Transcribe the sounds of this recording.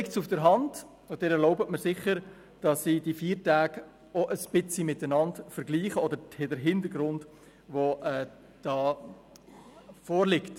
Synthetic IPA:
lɪktsufd̥əɾɦɑnd | ʊd̥ɪnɛɾloʊbətməɾsɪχəɾ | d̥ɑsːid̥ifiːɾtæːɡ | ɔʔəspɪt͡simɪtənɑntfəɾɡliːχəɔdəɾhedəɾɦɪndəɾɡɾʊnd | voʔɛ | d̥ɑː | fɔːɾlɪkt

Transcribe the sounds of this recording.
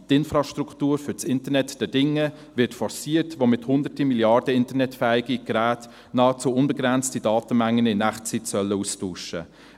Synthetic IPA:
tɪnfɾɑʃtɾuktuːɾfʏt͡sɪntənɛtd̥ɛdɪŋːə | vɪɾtfɔɾsiːətʋomɪthʊnd̪ətimiljɑrdəɪntəɾnɛtfæːiɡiɡ̥ɾæːt | nɑːət͡suʊnbɛɡɾɛnt͡stidɑːtəmæŋːənɪnæχt͡sitsœlːəustuːʃə̰

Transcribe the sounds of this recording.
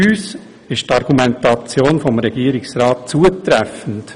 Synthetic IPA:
yːs | ɪʃtɑɾɡ̥umɛntɑt͡sjoːnfɔmɾɛɡ̥iəɾɪksɾɑːt̚t͡suətɾɛfən̩t

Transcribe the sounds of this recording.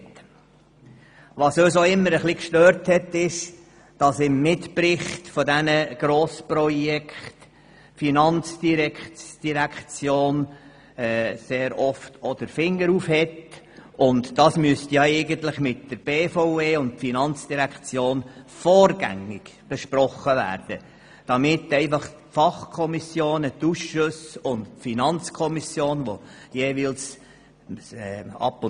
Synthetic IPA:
t | ʋɑsøːsoɪmːəɾəχlikʃtøːɾthɛtːɪʃ | d̥ɑsɪmːɪtpɾɪχtfɔdɛnəɡ̥ɾoːspɾɔjɛkχt | finɑnt͡sd̥iɾɛkd̥iɾækt͡sjoːn | ɛːseːɾɔftʰɔd̥̪əɾfɪŋːəɾuːfhɛt | ʊndd̥ɑːsmyəstjɑɛɪɡənt̪lɪχmɪtd̥əɾb̥eːfoʊeːʊnd̚finɑnt͡sd̥iɾækχt͡sjoːnfɔːɾɡ̥æ̰ŋɪɡ̥b̥eʃprɔχːəʋæ̰ːɾd̥ə | d̥ɑmɪtːɛɪfɑχ | fɑχkʰɔmisjoːnət̪uʃʃʊsʊntfinɑnt͡skʰɔmisjoːnʋojeːʋils | ɛːɑ̰pːʊ

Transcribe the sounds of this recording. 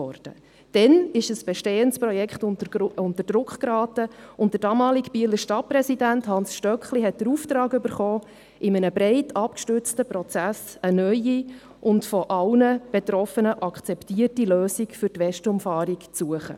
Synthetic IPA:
ɔrd̥ə̰ | d̥ɛnɪʃəsb̥ɛʃteːənspɾɔjɛkχtʊntəɾd̥ɾʊkχkɾɑːtəʊntd̥əɾdɑːmɑːlikpiələʃtɑt̚pɾɛsidænthɑnsʃtœkχliɦɛt̚d̥əɾuːftɾɑːɡʏbəɾχɔː | ʔɪmənəbɾeɪtʰɑpkʃtʏɾt͡stəprɔt͡sæsənœʏi | ʔʊntfɔʔɑlnəb̥ɛtɾɔfənəʔɑkχt͡sɛptiːərtiløːsikfʏrtʋɛʃtʊmfɑːɾikt͡suəχə̰

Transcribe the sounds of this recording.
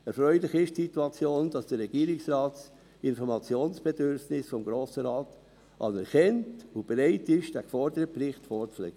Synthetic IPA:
ɛɾfɾœʏlɪχɪʃtsituɑt͡sjoːnd̥ɑsd̥əɾːɛɡ̥iːɾɪksrɑːts | ɪnfɔɾmɑt͡sjoːnsb̥ɛdʏɾfnɪsfɔmɡɾoːsəɾɑːt | ʔɑ̰nɛɾkʰɛntob̥ɛɾaɪtɪʃd̥ækfɔɾdəɾəprɪχtfɔːɾt͡slɛ̰ːk̚ə

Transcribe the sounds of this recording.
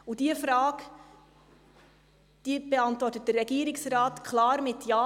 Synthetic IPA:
ud̥iəfɾɑːk | d̥ib̥eɑntvɔrtət̚dəːɛɡiːəɾɪksrɑːtkʰlɑːɾmɪtjɑː

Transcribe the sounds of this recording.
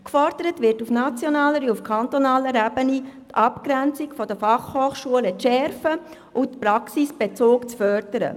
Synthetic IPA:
kfɔrd̥əɾətʋɪrtufnɑt͡sjɔnaːləɾiufkʰɑnt̪ɔnɑːləɾɛbənit̪ɑpkɾɛnt͡sikfɔd̥əfɑχhoːχʃuələt͡sʃɛɾfə | ʔʊtpɾɑksisb̥et͡soːkt͡sfœrd̥əɾə̰

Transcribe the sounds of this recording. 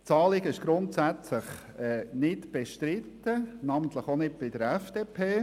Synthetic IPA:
t͡sɑːlɪɡɪʃɡ̥ɾʊntsæt͡sləχ | ɛːnɪtb̥eʃtɾɪtːənɑːmənt̪ləχonɪd̚b̥ɪd̥əɾɛfd̥eːpʰeː

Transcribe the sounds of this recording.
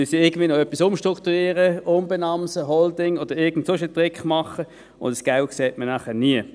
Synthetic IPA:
mysiɪɐɡən̩dviːnoœpːisʊmʃtʁʊkt̪uiːʁəʔʊmbɛnɑmsəɦɔldɪŋod̥əɪɐɡn̩tsofɪltʁɪkχmɑχə | ʊ̰ndəsɡ̥aʊkseːtmənæːχəniə

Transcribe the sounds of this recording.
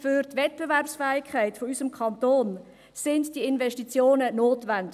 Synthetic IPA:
fyɾtvɛt̚b̥evɛrpsfɛːikʰχɛɪtfoysəmkʰɑntoːn | sɪndd̥iəɪnvɛʃtit͡sjoːnənoːtvændɪ

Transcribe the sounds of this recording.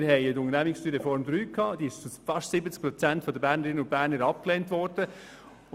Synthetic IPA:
ɾɦɛɪətʊŋəɾnæmɪksʃtyːɾefɔɾmd̪ɾyːkʰːɑːd̥̪iːɪʃfɑʃtsɪbət͡sk̚pɾɔt͡sæntfɔd̪əbæːɾnəɾɪnəʊnt̚b̥æːɾnəɾɑp̚kleːntʋɔɾd̥ə

